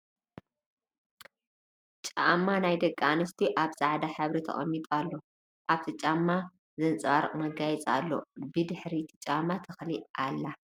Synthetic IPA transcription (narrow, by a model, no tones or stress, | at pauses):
t͡ʃʼamːanajd̪ɐkʼːanɨst̪ʰiʔaβsʼaʕd̪aħɨβɾit̪ʰɐ̰χʼɐ̰mːit̪ʼalːo̞ | ʔaβt̪ʰɨt͡ʃʼamːa | zɐnt͡sʼβaɾkʼmɐɡajɛt͡sʼa̰lːo̞̰bɨd̪ɨħɾit̪ʰɨ̥t͡ʃʼamːat̪ʰɨxliʔalːa